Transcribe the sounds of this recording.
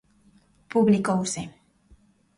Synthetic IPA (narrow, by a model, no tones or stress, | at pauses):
puβlikowse